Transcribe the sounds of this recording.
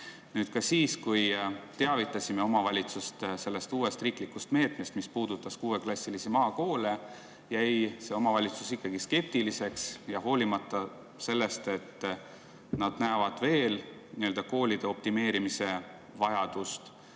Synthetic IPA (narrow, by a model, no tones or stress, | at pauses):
nyːd̪̥̚kɑsiːskujt̪e̞ɑvit̪ːˑɑsʲimeo̞mɑvɑlʲit̪sust̪se̞lːe̞st̪uːe̞st̪riːklikːust̪me̞ːt̪mest̪mispuːd̪̥ut̪ːˑɑskuːe̞klɑsʲːilisimɑːko̞ːle | jæjse̞o̞mɑvɑlʲit̪susikːɑɡiske̞p̚t̪ilise̞ksjɑɦo̞ːlimɑt̪ːˑɑ | se̞lːe̞st̪e̞t̪ː | nɑd̪̥næːvɑd̪̥ve̞ːlniø̞ld̪ɑko̞ːlʲid̪̥e̞o̞p̚t̪ime̞ːɾimise̞ | vɑjɑd̪̥ust̪